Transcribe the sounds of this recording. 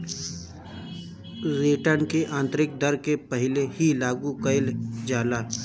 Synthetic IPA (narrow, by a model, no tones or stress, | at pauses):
ɾiːʈəɾnkeʔãːnt̪ɾɪk̚d̪əɾkepəɦɪlehilaːɡukəɪld͡ʒaːlaː